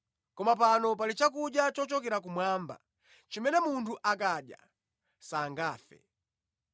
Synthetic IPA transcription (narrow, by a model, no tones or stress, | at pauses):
kɔmapanɔp̬alit͡ʃakuɗjat͡ʃɔt͡ʃɔkɛɾakumwaːmba̰ | t͡ʃimɛnɛmuntʰuʔakaɗja̰ | saŋɡaːfɛ̰